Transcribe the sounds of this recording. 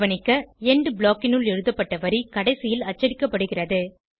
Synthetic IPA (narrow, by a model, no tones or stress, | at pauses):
ʋɐnɪkːɐɛɳɖɯbɭoːkːɪnɯɭɛɻɯðɐpːɐʈːɐʋɐɾikɐɽɐɪsɪjɪlɐt͡ʃːɐɽɪkːɐpːɐɽɯɣɪrɐðɯ